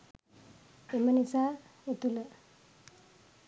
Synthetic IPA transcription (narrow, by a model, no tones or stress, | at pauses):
emənisaet̪ulə